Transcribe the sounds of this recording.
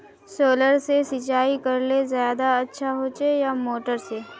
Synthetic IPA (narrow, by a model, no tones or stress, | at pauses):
soːləɾsesɪt͡ʃaːikɐɾlezjaːd̪aɐtːʃʰaɦoːt͡ʃejamoːʈəɾse